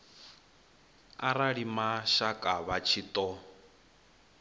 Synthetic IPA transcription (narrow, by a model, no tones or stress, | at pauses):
aɾaɺimaʃakʼaβat͡ʃʰit̪ʼɔ